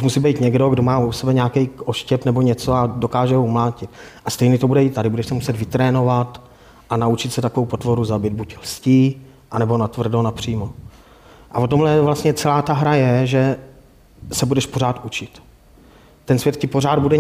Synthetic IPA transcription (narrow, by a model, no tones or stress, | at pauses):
umusiːbɛjt̪ɲɛɡdo̞ɡdo̞maːusɛbɛɲɛakɛjʔoʃcɛpnɛbo̞ɲɛt͡soado̞kaːʒɛɦoumlaːcɪt̪ʔast̪ɛjnɛt̪obudɛit̪ːadɪbudɛʃsɛmusɛt̪vɪt̪ɾɛːno̞vat̪ | ʔanaut͡ʃɪt̪sɛt̪akovowpo̞t̪vo̞ɾuzabɪd̪̚buclsciː | ʔanɛbo̞nat̪vr̩donapr̝̥iːmo | ʔavot̪o̞mlɛvlast̪ɲɛt͡sɛlaːt̪aɦɾajɛʒɛ | sɛbudɛʃpo̞ɾaːt̪ʔut͡ʃɪt̪ː | ɛnsvʲjɛt̪̚cɪpo̞ɾaːd̪̚budɛ